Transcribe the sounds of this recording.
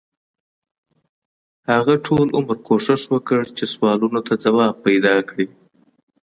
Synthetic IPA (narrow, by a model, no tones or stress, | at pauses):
haɣaʈʰolʔʊmɾkʰoʂɪʃwəkəɽt͡ʃeswɑlunot̪ad͡zawɑb̚pːajd̪ɑkɽi